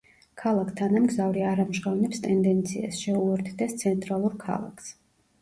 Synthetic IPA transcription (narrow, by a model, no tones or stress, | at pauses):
kʰalˠakʰt̪ʰanamɡzavɾiaɾamʒʁavnɛpst̪ʼɛnd̪ɛnt̪sʰia̰sʃɛulˠɔɾt̪ʰd̪ɛst̪sʰɛnt̪ʼɾalˠuɾkʰa̰lˠa̰kʰs